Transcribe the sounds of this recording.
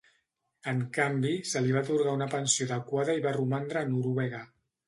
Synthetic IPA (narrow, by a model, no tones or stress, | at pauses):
əŋkambisəliβ̞at̪uɾɣaunəpənsioaðəkwaðəiβarumand̪ɾəːnuɾuβɛɣ̞ə